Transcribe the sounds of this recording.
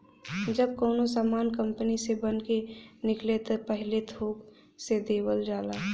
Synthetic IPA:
d͡ʒəb̚koːnosaːmaːnkə̃mpənisebənkenɪklet̪opəɦɪlet̪ʰoːk | sed̪eːwəld͡ʒaːlaː

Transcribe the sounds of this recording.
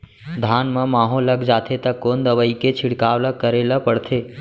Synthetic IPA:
d̪ʱanmə̃maːɦoləɡd͡ʒaːt̪ʰet̪əkːoːnd̪əʋəiket͡ʃʰɪɽkawləkəɾeləpəɽt̪ʰeː

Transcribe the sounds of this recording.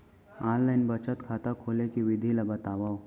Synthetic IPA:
ãːlːaɪnbət͡ʃət̪kʰaːt̪akʰoːlekiʋɪd̪ʱilabɐt̪aːʋaːo

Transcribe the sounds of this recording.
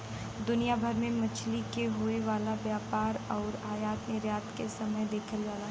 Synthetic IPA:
d̪ʊnijabʱɐɾmẽmɐt͡ʃʰlikeɦoːeʋaːlabjaːpaːɾɔːɾaːjaːt̪nɪɾjaːt̪kesɐməjd̪eːkʰəld͡ʒaːla

